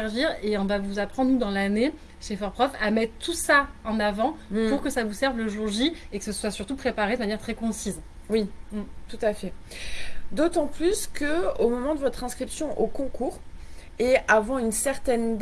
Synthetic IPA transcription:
ʁʒiʁeɔ̃vavuzapχɑ̃d̪nud̪ɑ̃lane | ʃefɔʁpχɔfamɛt̪t̪ːusaɑ̃navɑ̃puʁkəsavusɛʁvləʒuʁʒiekə̥səswasyʁt̪upχepaʁed̪əmanjɛʁt̪χɛkɔ̃siz | wit̪ut̪afɛ | d̪ot̪ɑ̃plyskəomɔmɑ̃d̪əvɔt̪χɛ̃skχipsjɔ̃ʔokɔ̃kʰuːʁ | eavɑ̃ynsɛʁt̪ɛnd̪

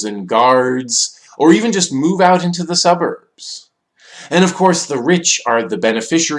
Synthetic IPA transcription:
ɨ̃nɡɑɹdz̥ | ʔə˞ivɨ̃n̩d͡ʒʌst̚muvaʊɾɪ̃ntʉðəsʌbə̰˞b̥z̥ | ɨ̃ɾ̃ʌv̥kʰɔɹsðəɹɪt͡ʃə˞ðɨbɛnɨfɪʃə˞

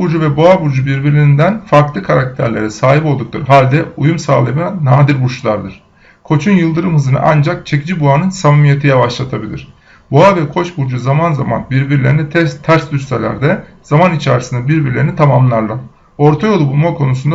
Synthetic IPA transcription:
buɾd͡ʒuvɛboabuɾd͡ʒubiɾbiɾlʲinind̪ænfaɾklˠɯkʰaɾak̚t̪ʰæ̰ɾlʲeɾɛsaːɦipolˠd̪uk̚lˠɯ̰ɾɦalʲd̪ɛujumsaːlˠebinnaːd̪iɾbuɾʃlˠaɾd̪ɯɾ̥ | kʰo̞t͡ʃʰunjɯlˠd̪ɯɾɯmhɯzɯnɯ̰ʔand͡ʒak̚t͡ʃʰe̞cid͡ʒibuanɯnsammije̞t̪ʰijavaʃlˠat̪ʰabilʲiɾ̝̥ | buavɛkʰo̞t͡ʃbuɾd͡ʒuzamanzama̰nbiɾbiɾlʲeɾinɛt̪ʰt̪ʰæɾsd̪yst̪elʲæ̰ɾd̪ɛ | z̥amanit͡ʃʰaɾisind̪ɛbiɾbiɾlʲe̞ɾinit̪ʰamamllˠaɾlˠa | o̞ɾt̪ʰajo̞lˠubulˠmakʰo̞nusund̪a

